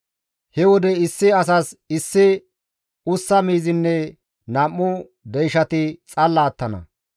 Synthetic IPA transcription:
hɛwɔd̪ɛɪsːɪɐs̬ɐsɪsːɪ | ʊsːɐmiːzɪnːɛ | nɐmːʊ | d̪ɛjʃɐt̪ɪt͡sʼɐlːaːt̪ːɐnɐ̰

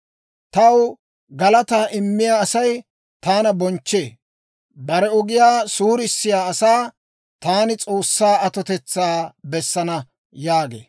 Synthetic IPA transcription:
t̪ɐw | ɡɐlɐt̪aːʔɪmːɪjaːɐsɐj | t̪aːnɐbɔnt͡ʃːe̞ː | bɐɾɛɔɡɪjaːsuːɾɪsːɪjaːɐsaː | t̪aːnɪt͡sʼo̞ːsːaːɐt̪ɔt̪ɛt͡sːaːbɛsːɐnɐ | jaːɡḛː

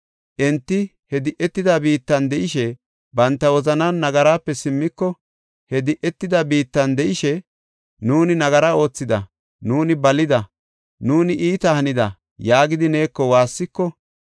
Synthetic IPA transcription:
ʔɛnt̪ːɪ | hɛd̪ɪʔɛt̪ːɪd̪ɐbiːt̪ːɐnd̪ɛʔɪʃɛ | bɐnt̪ːɐwɔzɐnanːɐɡɐɾaːpːɛsɪmːɪkːɔ | hɛd̪ɪʔɛt̪ːɪd̪ɐbiːt̪ːɐnd̪ɛʔɪʃɛ | nuːnɪnɐɡɐɾao̞ːt͡sːɪd̪ɐ | nuːnɪbɐlɪd̪ɐ | nuːnɪʔiːt̪ɐhɐnɪd̪ɐ | jaːɡɪd̪ɪne̞ːkːɔwaːsːɪkːɔ

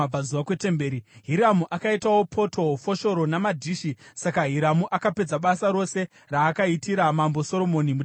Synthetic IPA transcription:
b͡vazuʋakwe̞te̞mbeːɾiɦiɾamuʔakaitawo̞pʰo̞tʰo̞fo̞ʃo̞ɾo̞namadʱiːʃisakaɦiɾamuʔakape̞d͡zaɓasaɾo̞se̞ | raːkaitiɾamambo̞so̞ɾo̞mo̞nimu

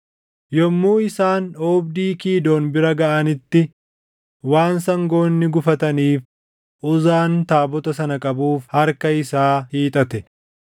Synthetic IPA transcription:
jɔmːuːɪsaːnoːbd̪iːkiːd̪oːnbɪɾɐɡɐʔɐnɪt̪ːɪ | waːnsɐŋɡo̞ːnːɪɡʊfɐt̪ɐniːf | ʔʊzaːnt̪aːbɔt̪ɐsɐnɐkʼɐbuːfhɐɾkɐɪsaːhiːt̪ʼɐt̪ɛ

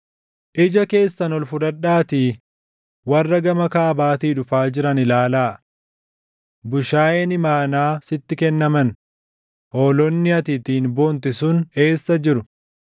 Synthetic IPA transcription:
ʔɪd͡ʒɐke̞ːsːɐnɔlfʊᶑ̪ɐᶑːaːt̪iː | wɐrːɐɡɐmɐkaːbaːt̪iːᶑʊfaːd͡ʒɪɾɐnɪlaːlaː | bʊʃaːjenɪmaːnaːsɪt̪ːɪkɛnːɐmɐn | ʔoːlɔnːɪɐt̪ɪt̪iːnbo̞ːnt̪ɪsʊne̞ːsːɐd͡ʒɪɾʊ

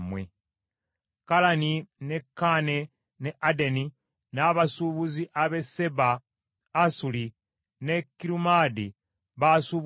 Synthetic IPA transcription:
mwḛ | kalanine̞kːane̞ | neʔadeni | naβasuβuziʔaβe̞se̞baː | suli | ne̞kːiɾumadi | βasuβ

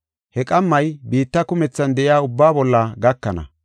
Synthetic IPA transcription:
hɛkʼɐmːɐjbiːt̪ːɐkʊmɛt͡sːɐnd̪ɛʔɪjaːʊbːaːbɔlːɐɡɐkːɐnɐ̰

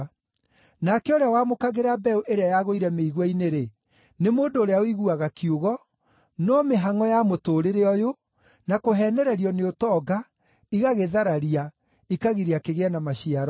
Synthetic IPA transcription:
nakɛoɾeawamokaɣeɾabɛuʔeɾeajaɣoiɾɛmeiɣwaineɾe | nemoːndoːɾeaoiɣuaɣakioɣɔ | nɔmeɦaŋɔjamotoːɾeɾeɔjo | nakoɦɛːnɛɾɛɾiɔneotɔːɡa | iɣaɣeðaɾaɾia | ikaɣiɾeakeɣeɛnamaɕiaɾɔ

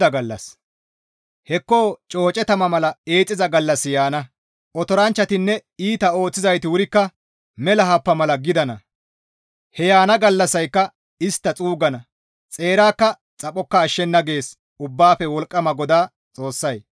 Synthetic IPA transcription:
ɐɡɐlːɐ̰s | hɛkːo̞ːt͡ʃʼo̞ːt͡ʃʼɛt̪ɐmɐmɐlɐe̞ːt͡sʼːɪzɐɡɐlːɐsːɪjaːnɐ | ʔɔt̪ɔɾɐnt͡ʃːɐt̪ɪnːɛiːt̪ɐo̞ːt͡sːɪzɐjt̪ɪwʊɾɪkːɐ | mɛlɐɦɐpːɐmɐlɐɡɪd̪ɐnɐ | hɛjaːnɐɡɐlːɐsɐjkːɐ | ɪst̪ːɐt͡sʼuːɡɐnɐ | t͡sʼe̞ːɾaːkːɐ | t͡sʼɐpʼːɔkːɐːʃːɛnːɐɡe̞ːs | ʊbːaːfɛwɔlkʼːɐmɐɡɔd̪aː | t͡sʼo̞ːsːɐj

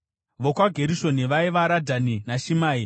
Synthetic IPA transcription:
ʋokwaɡʱe̞ɾiʃo̞niʋaiʋaɾadʱaninaʃimaːi

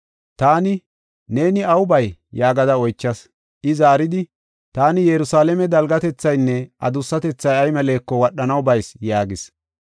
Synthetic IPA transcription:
t̪aːnɪ | ne̞ːnɪɐwʊbɐjjaːɡɐd̪ɐɔjt͡ʃːɐs | ʔɪzaːɾɪd̪ɪ | t̪aːnɪjɛɾʊsaːlɛmɛd̪ɐlɡɐt̪ɛt͡sːɐjnːɛʔɐ̰d̪ʊsːɐt̪ɛt͡sːɐjɐjmɛle̞ːkːɔwɐɗːɐnɐwbɐjsjaːɡɪs

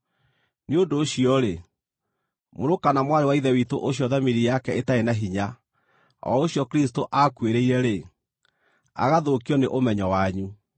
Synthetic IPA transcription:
niodoːɕiɔɾe | moɾokanamwaɾewaiðɛwitoʔoɕjɔðamiɾijakɛetaenaɦiɲa | ɔ̰oɕjɔkeɾistoʔakweɾeiɾɛɾe | a̰ɣaðokjɔneʔomɛɲɔwaɲu

